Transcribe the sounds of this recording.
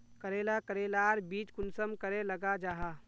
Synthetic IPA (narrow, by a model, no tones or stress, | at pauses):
kəɾeːlakəɾeːlaːɾbiːt͡ʃkʊnsəmkəɾelɐɡad͡ʒaːɦaː